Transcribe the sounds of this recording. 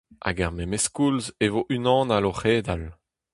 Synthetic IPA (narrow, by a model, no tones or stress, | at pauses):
a̰ɡaʁmemeskulzevoʔynɑ̃ːnaloχeːd̪al